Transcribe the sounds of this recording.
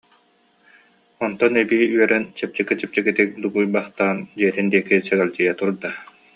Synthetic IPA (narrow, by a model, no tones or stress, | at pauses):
ɔnt̪ɔnɛbiyœɾɛnt͡ɕɛp̚t͡ɕɛkit͡ɕɛp̚t͡ɕɛɡit̪ik̚d̪uɡujbaχt̪aːnd͡ʑiɛt̪ind̪iɛkit͡ɕɛɡɛlʲd͡ʑijat̪uɾd̪a